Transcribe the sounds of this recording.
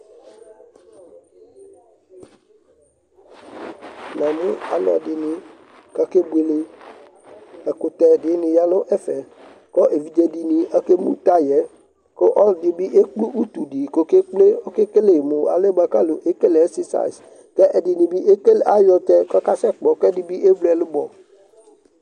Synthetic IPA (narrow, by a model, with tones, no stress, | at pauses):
nã˨mũ˦a̰˨lɔ̰˨dɪ˨nĩ˨ | ka˦ke˦bu˦e˨le˨ | ɛ˨ko˨t̪ɛ˨dɪ˨˦nĩ˨ja˦lo˦ʔɛ˦fɛ˨ | kɔ˦ʔe˨vi˦d͡ʒe˦di˨nĩ˨a˦ke˦mṵ̃˦t̪a˦jɛ˨˦ | ko˦ʔɔ˦dɪ˨bi˦ʔe˦k͡pu˦ʔu˦t̪u˨ɖi˨ko˦ke˦k͡ple˦o˦ke˦ke˦le˨mõ˨a̰˨le˦ba˨ka˦lo˨ʔe˦ke˦le˨ɛ˦si˦sa̰˨s | kɛ˦ʔɛ˨di˨nĩ˨bi˦ʔe˦ke˦la˦jɔ˨t̪ɛ˦kɔ˦ka˦sɛ˦k͡pɔ˨kɛ˦di˨bi˦ʔe˦blɛ˨lu˦bɔ˨